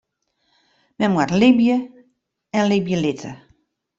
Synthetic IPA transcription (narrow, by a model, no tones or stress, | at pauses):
mɛnmwatlibjə | ɛnlibjəlɪtʰə̰